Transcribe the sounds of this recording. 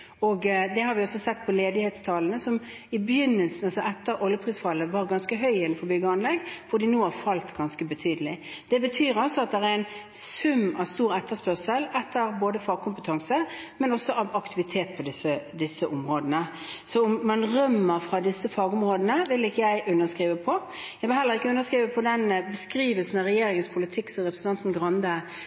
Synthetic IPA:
ɔɡd̪ɛhɑɾʋɪɔsɔsɛt̪ːpʰɔleːd̪ɪhɛːt̪st̪ʰɑːlənəsɔm | ɪbjʏnːəlsn̩ɑlsɔʔɛt̪ːəɾʔɔljəpʰʁiːsfɑlːəʋɑːʁɡɑnskəɦœʏɪnːfɔɾbʏɡəɑnlɛɡkʰʊd̪ɪnuːhɑɾfɑlt̪ɡɑnskəbət̪ʰyːd̪əlɪ | d̪̥ɛbət̪ʰyːɾɔsɔɑt̪̚d̪ɛʁæɾæɪnsʉmːɑʋst̪uːɾɛt̪ːəspœʁsəlɛt̪ʰːəɾboːd̪əfɑːɡ̚kʊmpət̪ʰɑŋsə | mɛnɔsːɔʔɑʋɑkt̪ʰɪʋɪt̪ʰeːt̪̚pʰɔd̪ɪsəd̪ɪsːəʔʊmʁoːd̪ənə | sɔʊmːɑnʁœmːəʁfɾɑd̪ɪsːəfɑːɡʊmʁoːd̪ənəʋɪlɪkːəjæɪʔʉnːəskʁiːʋəpʰɔ | jæɪʋɪlɦɛləɾʁɪkːəʉnːəskʁiːʋəpʰɔd̪ɛnbəskɾiːʋəlsənɑɾɛjeːɾɪŋənspʰʊlɪt̪ʰɪkːsɔɾɛpɾəsn̩ɑnt̪n̩ɡʁɑnd̪ə

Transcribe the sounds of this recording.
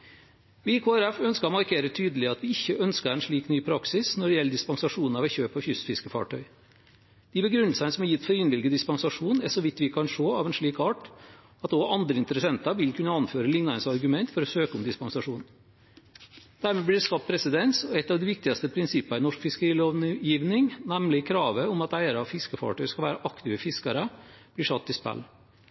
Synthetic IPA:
ʋɪkʰoːæɾɛfœnskəɾɔmɑɾkʰeːɾət̪ʰyːd̪əlɪɑt̪ʋɪɪçːəʔœnskəɾɛnʂɭiːknyːpʰɾɑksɪsnɔɖɛjɛlːəd̪ɪspɑŋsɑʂuːnn̩ɑʋɛçøːpɔçʏsfɪskəfɑ̰ːʈʰœʏ | d̪̥ɪːbəɡɾʉnl̩sənəsɔmæjɪt̪ːfɔɾɪnbɪlɡəd̪ɪspɑŋsɑʂuːnæʂɔʋɪt̪ːʋɪkʰɑnʂoːɑʋɛnʂɭiːkɑːʈ | ɑt̪ɔɑnd̪ɾəɪnt̪əɾəsɛnt̪ɑʋɪlkʰʉnːəɑnføːɾəlɪŋnɑnsɑɾɡʉmɛnt̪fɔɾɔsøːkəʊmd̪ɪspɑŋsɑʂuːn | d̪̥æɾmeːblɪɖ̪ɛskɑt̪̚pʰɾɛsɪd̪ɛnsɔɛt̪ːɑːʋd̪ɪʋɪk̚t̪ɪɑst̪əpʰɾɪnsɪpːɑɪnɔʂkfɪskəɾiːloːjiːʋnɪŋnæmlɪkʰɾɑːʋəʊmɑt̪æɪəɾɑfɪskəfɑ̰ːʈœʏskɑlʋæːɾəʔɑkt̪ɪʋəfɪskɑɾəb̥̪ɪʂɑt̪ːɪspæ̰lː

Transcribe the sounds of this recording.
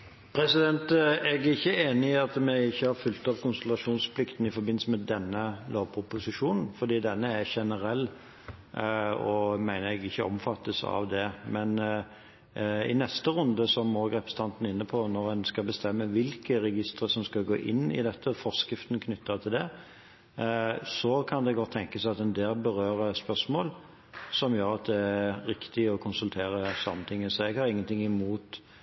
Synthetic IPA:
pʰɾɛsɪd̪ɛnt̪ɛɡæɪçːəeːnɪɑt̪mæɪɪçːəhɑɾfʉlt̪ɑpkʊnsɛlɑʂuːnspʰlɪkt̪n̩ɪfɔɾbɪnl̩səmɛd̪ɛnːəloːʋpʰʊpʊsɪʂuːnn̩fɔd̪iːd̪ɛnːəæʃɛnəɾɛlː | ɔmæɪnəɛɡɪçːəɔ̰mfɑt̪ːəsɑ̰ʋd̪ɛmɛn | ɪnɛst̪əʁʉnd̪əsɔmɔɡɾɛpɾəsət̪ʰɑnt̪n̩ɪnːəpʰɔnɔʁɛnskɑbəst̪ɛmːəʋɪlkəʁɛɡɪst̪ɾəsɔmskɑɡoːʔɪnːɪ̰d̪ɛt̪ʰːəfɔʁskɾɪft̪ən̩kʰnʏt̪ʰːəʁt̪ʰɪld̪ɛ | sɔkʰɑnd̪ɛɡɔt̪ʰːɛŋkəsæɪɑt̪ɛnd̪eːlbəɾøːʁəspœsmoːl | sɔmjøːɾɑt̪̚d̪ɛæɾɪkt̪ɪɔkʰʊnsʉlt̪ʰeːɾəsɑmːənt̪ʰɪŋːəsɔɛɡhɑɾɪŋːənt̪ʰɪŋːɪmuːt̪

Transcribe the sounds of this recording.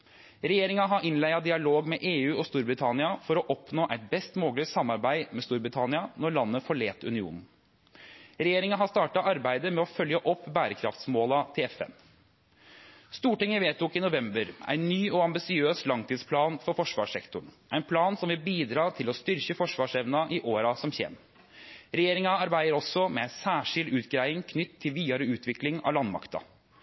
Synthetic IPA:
ɾɛjeːɾɪŋɑɦɑʔɪnlæɪɑd̪ɪɑloːɡmɛʔeːʉːɔst̪uːɾbɾɪt̪ʰɑnɪɑfɔɾɔʔɔpnoːʔæɪt̪̚bɛst̪moːɡlɪsɑmːɑɾbæɪmɛst̪uːɾbɾɪt̪ʰɑnɪɑnɔɾɭɑnːəfɔɭeːt̪ʉ̰nɪṵːnn̩ | ɾɛjeːɾɪŋɑɦɑst̪ɑːʈɑʔɑɾbæɪd̪əmɛɔfœljəʔɔpːbæːɾəkʰɾɑ̰ft̪smoːlɑt̪ʰɪɛfɛ̰n | st̪uːʈɪŋːəʋeːt̪uːkɪnʊʋɛmbəɾæ̰ɪnːyːɔɑmbɪsɪøːslɑŋt̪ʰiːd̪spʰlɑːnfɔɾfɔʂʋɑ̰ːʂɛkt̪ʊɳ | æɪnpʰlɑːnsɔmʋɪlbiːd̪ɾɑːt̪ʰɪlɔst̪ʏɾçəfɔʂʋɑːʂɛʋnɑʔɪʔoːɾɑsɔmçḛːm | ɾɛjeːɾɪŋɑɑɾbæɪd̪əɾɔsːɔmɛæɪsæːʂɪld̪ʉːt̪ɡɾæɪɪŋkʰnʏt̪ʰːɪlʋiːɑɾəʉːt̪ʰʋɪklɪŋɑ̰lɑnmɑ̰kt̪ɑ̰

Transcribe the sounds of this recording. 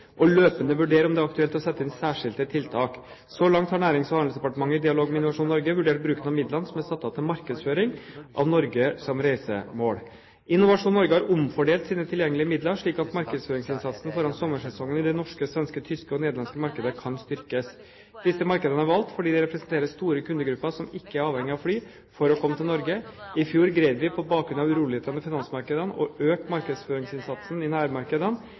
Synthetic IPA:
ʔɔløːpənəʋʉɖeːɾɔmd̪ɛæɾɑkt̪ʉɛlt̪ɔsɛt̪ːəɪnsæːʂɪlt̪ət̪ʰɪlt̪ʰɑːk | sɔlɑŋt̪hɑɳæːɾɪŋsfəhɑnsd̪ɛpɑʈəmɑŋːəɪd̪ɪɑloːɡmɛɪnːʊʋɑʂuːnːɔɾɡəʋʉɖeːʈ̚bɾʉːkənɑʋmɪd̪lɑnsɔmɛsɑt̪ːɑt̪ʰɪmɑɾkəd̪sføːɾɪŋʔɑ̰ʋnɔɾɡəsɔmɾæɪsə̰moːɽ | ɪnːʊʋɑʂuːnːɔɾɡəhɑɾʊmfɔɖeːlt̪siːnət̪ʰɪljɛŋːəlɪəmɪd̪ləɾʂɭiːkɑt̪mɑɾkəd̪sføːɾɪŋsɪnsɑt̪sn̩fɔɾɑnsɔmːəʂɛsɔŋːənɪd̪ɛnɔʂkəsʋɛnskət̪ʰʏskəɔneːd̪lɑnskəmɑɾkəd̪əkʰɑnst̪ʏɾkəs | d̪̥ɪsəmɑɾkəd̪ənəæɾʋɑlt̪fɔɖiːd̪ɛɾɛpɾəsnt̪ʰeːɾəst̪uːɾəkʉnd̪əɡɾʉpːəʂɔmɪkːəæɾɑːʋhɛŋːɪɑʋfɽyː | fɔɾɔkʰɔmːət̪ʰɪlnɔɾɡəɪfjuːɾɡɾed̪ʋɪpʰɔbɑːkɾʉnɑʋʉɾuːlɪheːt̪ʰənəfɪnɑnsmɑɾkəd̪ənɔ̰øːk̪̚mɑɾkəd̪sføːɾɪŋsɪnsɑt̪snɪnæːɾmɑɾkəd̪ən

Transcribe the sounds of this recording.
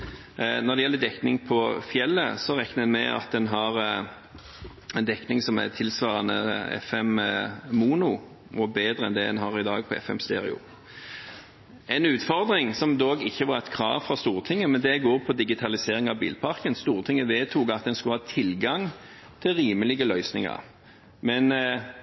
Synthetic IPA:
nɔɾd̪ɛjɛlːəd̪ɛknɪŋpʰɔfjɛlːə̰sɔʁɛknəɛnmɛ̰ɑ̰t̪̚d̪ɛnɦɑʁ | ɛnd̪ɛknɪŋsɔmæ̰t̪ʰɪlsʋɑːɾɑnə̰ɛ̰fɛmmuːnʊ | ʔɔbeːd̪ɾəɛ̰nd̪ɛd̪ɛnɦɑɾɪd̪ɑːɡ̚pʰɔɛ̰fɛ̰mst̪ḛːɾɪ̰ʊ̰ | ɛnʉːt̪fɔɾd̪ʁɪŋsɔmd̪oːɡɪçːəʋɑɾɛt̪kʰɾɑ̰ːʋfɾɑst̪uːʁt̪ʰɪŋːəmɛnd̪ɛɡoːɾpʰɔd̪ɪɡɪt̪ʰɑlɪseːɾɪŋɑʋbḭːlpʰɑʁkənst̪uːʁt̪ʰɪŋːəʋeːt̪ʰuːɡɑt̪̚d̪ɛnskʉləhɑːt̪ʰɪlɡɑŋ | t̪ʰɪlɾiːməlɪɡəlœʏsnɪŋɑ̰ɾ | mɛn

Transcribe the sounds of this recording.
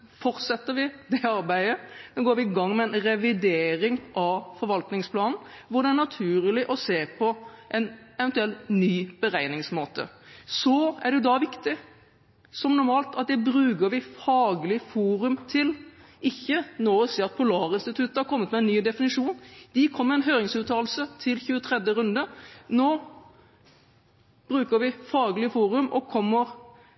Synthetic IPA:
fɔɾt̪sɛt̪ːəɾʋɪd̪ɛɑɾbæɪənoːɡoːɾʋɪɪɡɑŋːmɛɛnɾɛʋɪd̪eːɾɪŋʔɑfɔɾʋɑlt̪nɪŋspʰlɑːnn̩ʋʊɖ̪ɛæɾɳɑt̪ʰʉːɾlɪʔɔseːpʰɔʔɛnɛʋɛnt̪ʉɛlnyːb̥əɾæɪnɪŋsmoːt̪ə̰sɔæɾɖ̪ɛjʊd̪ɑʋɪkt̪ɪ | sɔmnʊɾmɑːlt̪ɑt̪̚d̪ɛbɾʉːɡəɾʋɪfɑːɡlɪfuːɾʉmt̪ʰɪlʔɪçːənɔːɪsiːɾɑt̪̚pʰʊlɑːʁɪnst̪ɪt̪ʰʉt̪ːəɑɾkʰɔmːət̪mɛɛnːyːd̪ɛfɪnɪʂuːnd̪̥ɪkʰɔmːəɾɛɪnɦøːɾɪŋsʉːt̪ʰɑːl̩sət̪ʰɪlçʉːət̪ʰʁɛd̪jəɾʉnd̪ənoː | b̥ɾʉːkəɾʋɪfɑːɡlɪfuːɾʉmɔ̰kʰɔmːəɾ

